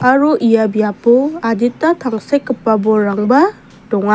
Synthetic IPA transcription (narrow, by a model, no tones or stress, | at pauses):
aɾuʔijabijapɔaditːatʰaŋsekːɯpːabɔɾaŋbɐ | dɔŋa